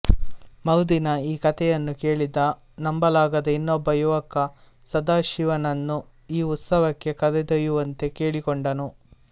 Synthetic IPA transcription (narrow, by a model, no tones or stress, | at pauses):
mɐwd̪inɐiːkɐt̪ɛjɐnːuke̞ːɭid̪ɐ | nɐmbɐlaːɡɐd̪ɐinːɔbːɐjuʋɐkɐ | sɐd̪aːʃiʋɐnɐnːu | iːut̪sɐʋɐkːe̞kɐd̪ɛd̪ɐjuʋɐnt̪e̞ke̞ːɭikɔɳɖɐnu